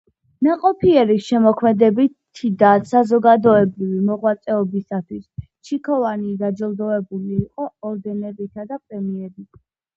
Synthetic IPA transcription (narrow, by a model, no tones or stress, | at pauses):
naqʼɔpʰiɛɾisʃɛmɔkʰmɛd̪ɛbiid̪asazɔɡad̪ɔɛbɾivimɔʁwat̪sʼɛɔbisat̪ʰwis | t͡ʃʰikʰɔvanid̪ad͡ʒɛlˠd̪ɔɛbuliːqʼɔɔɾd̪ɛnɛɾit̪ʰad̪apʼɾɛmiɛɾi